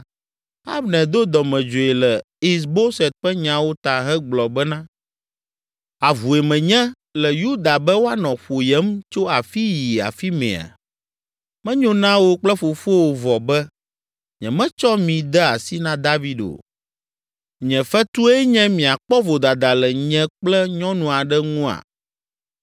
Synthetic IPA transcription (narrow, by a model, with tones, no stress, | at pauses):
a˦bnɛ̃˨d̪o˦d̪ɔ˨mɛ̃˨d͡ʒo˨ɛ˨lɛ˨ | i˦s̬bo˦sɛ˨t̪̚ɸɛ˦ɲã˨wo˦t̪a˨ɦɛ˦ɡ͡blɔ˨bɛ˦nã˦ | a˨vu˨e˨mɛ̃˨ɲɛ̃˦ | lɛ˨ju˦d̪a˨bɛ˦wo˦a˦nɔ̃˨ɸo˨jɛ˦mt͡ʃo˦a˨fi˦ji˨a̰˨fi˦mɛ̰̃˨a̰˨ | mɛ̃˦ɲõ˦nã˦wo˦k͡plɛ˦fo˨fo˦wo˨vɔ˨bɛ˦ | ɲɛ̰̃˨mɛ̃˦t͡ʃɔ˦mĩ˨d̪ɛ˦a̰˨si˦nã˦d̪a˦vi˦ɖo̰˨ | ɲɛ̃˨fɛ˦t̪u˦ɛ˦ɲɛ̃˦mĩ˨a˨k͡pɔ˦vo˨d̪a˨d̪a˨lɛ˨ɲɛ̃˦k͡plɛ˦ɲɔ̃˦nũ˨a˨ɖɛ˦ŋũ˦a̰˨